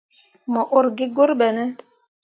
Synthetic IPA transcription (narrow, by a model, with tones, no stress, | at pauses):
mɔ˨ʔo˦ɾɡɪ˦ɡo˦ɾbɛ˨nɛ˦